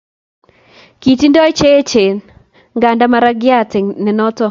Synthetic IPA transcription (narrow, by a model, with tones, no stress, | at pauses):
ki˨ti˦ndɔ˦t͡ʃe˦t͡ʃe˨n | ŋɡa˨nda˦ma˦ɾa˦ɡɪa˦tɪ˨ŋnɛ˨nɔ˦tɔ˦